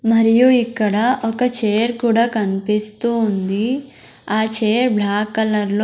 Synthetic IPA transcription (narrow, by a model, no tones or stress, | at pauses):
mɐɾijuikːɐɽɐʔɔkɐt͡ʃeːjɐɾkuːɽaːkɐnipist̪uːnd̪i | aːt͡ʃeːjɐɾblaːkːɐlɐɾlo